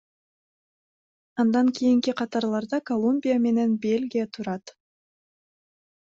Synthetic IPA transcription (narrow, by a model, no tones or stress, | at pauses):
ɑnd̪ɑŋkʰʲijiŋkiqʰɑt̪ɑɾlˠɑɾd̪ɑkolˠumbʲijame̞ne̞nbe̞lʲɡʲijat̪ʰuɾɑt̪